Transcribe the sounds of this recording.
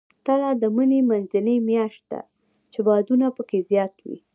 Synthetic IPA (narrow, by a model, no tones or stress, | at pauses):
t̪alɑd̪əmənemanzɪlemjɑʃt̪̚d̪a̰ | t͡ʃebɑd̪unapəkezjɑt̪wḭ